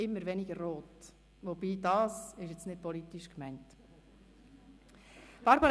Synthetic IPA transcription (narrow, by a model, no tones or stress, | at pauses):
ɪmːəɾʋɛniɡ̥əɾːoːt | ʋob̥iːdɑːsɪʃjɛt͡snɪd̚pɔlitiʃkmæɪnt | b̥ɑɾbɑɾ